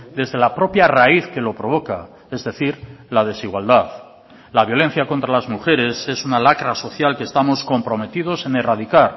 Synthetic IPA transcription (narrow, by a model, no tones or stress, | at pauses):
d̪e̞zðe̞lapɾo̞pjaraiθke̞lo̞pɾo̞βo̞ka | e̞zðe̞θiɾlað̞e̞siɣwald̪að | laβ̞jo̞le̞n̟θjakont̪ɾalazmuxe̞ɾe̞se̞sunalakɾaso̞θjalkeːst̪amo̞sko̞mpɾo̞me̞t̪ið̞o̞se̞ne̞rað̞ikaɾ